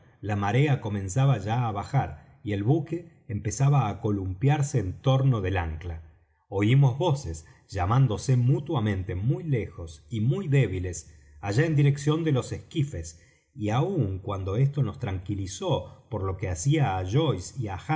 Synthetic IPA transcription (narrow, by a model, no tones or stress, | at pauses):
lamaɾe̞ako̞mẽ̞nsaβaʒaːβaxaɾ | ie̞lβuke̞ː | mpe̞saβaːko̞lumpjaɾseːnt̪o̞ɾno̞ðe̞laŋkla | o̞imo̞zβo̞ses | ʒ̥amand̪o̞se̞mut̪wamẽ̞nt̪e̞mujlexo̞simujðe̞βile̞s | aʒaend̪iɾe̞ksjo̞nd̪elo̞seskife̞s | iauŋkwand̪o̞e̞st̪o̞no̞st̪ɾaŋkiliso̞po̞ɾlo̞keasiaːʒo̞jsiaxa